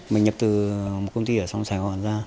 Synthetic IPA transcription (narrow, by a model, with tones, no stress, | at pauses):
mi˨˩ŋɲə˨˩p̚t̪ɨ˨˩mo˨˩t̚kə˧ŋ͡mt̪i˧əː˧˩sa˧wŋ͡msaː˨˧˩jŋwɔ̰˧˨nzaː˧